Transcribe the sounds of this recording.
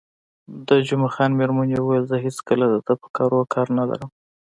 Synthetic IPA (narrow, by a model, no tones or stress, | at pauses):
d̪əd͡ʒumaxɑnmeɾmanjewəwajlzəɦeskəlad̪əd̪əpə̥kɑɾokʰɑɾnala̰ɾəm